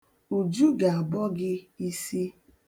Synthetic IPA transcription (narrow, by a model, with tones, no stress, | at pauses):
u˨d͡ʒu˦ɡa˨a˨bɔ˦ɡɪ˦i˦si˦